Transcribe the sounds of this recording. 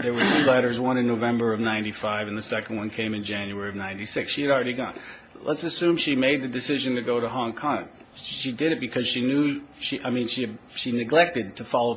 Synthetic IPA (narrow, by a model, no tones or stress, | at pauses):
ðə˞wə˞tʰʉlɛɾə˞zwʌ̃ñɨ̃nːoʊvɛ̃mbə˞ʌvnãɪ̃ntifaɪvɨ̃nðɨsɛkn̩d̚wʌ̃nkʰẽɪ̃mɨ̃nd͡ʒæ̃njʉɛɹiʌvnãɪ̃ntisɪksʃiɨɾl̩ˠɹɛɾiɡɑ̰̃n | lətsɨsʉ̃mʃimeɪd̪̚ðɨdɨsɪʒɨ̃ntɨɡoʊɾəɦɑ̃ŋkʰɑ̃ŋ | ʃidɨɾɨt̚b̥ɨkʰʌz̥ʃinjʉʃiʔaɪmĩnʃiʃinɨɡlɛk̚tɨd̚tʰɨfɑlˠoʊ